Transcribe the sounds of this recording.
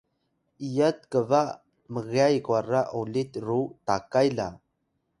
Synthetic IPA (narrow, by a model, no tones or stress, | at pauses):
ijət̪̚kəvaʔ | məɣajkwaraʔolit̪rutakajla̰